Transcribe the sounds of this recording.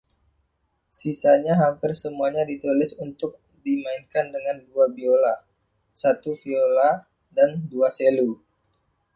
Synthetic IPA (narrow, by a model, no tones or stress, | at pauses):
sisaɲaɦampɪrsəmuaɲadit̪ulɪsunt̪ʊk̚ | dimaɪnkandəŋanduabiola | sat̪ufiola | danduaselu